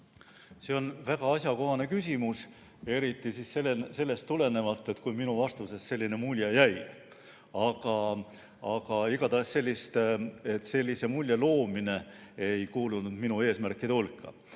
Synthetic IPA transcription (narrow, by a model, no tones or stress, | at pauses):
seo̞nvæɡ̥ɑɑsʲjɑko̞ɦɑne̞kysʲimus | e̞ɾit̪ːˑisisselese̞lːe̞st̪ːule̞ne̞vɑlt̪ˑːe̞t̪kujminuvɑst̪use̞sse̞lʲːine̞mulʲjɑjæj | ɑɡɑ | ɑɡɑiɡ̥ɑd̪ɑesse̞lʲːist̪e̞t̪ːse̞lʲːise̞mulʲjɑlo̞ːmine̞ejkuːlunud̪̥minue̞ːsmærkːˑid̪eulkːˑɑ̰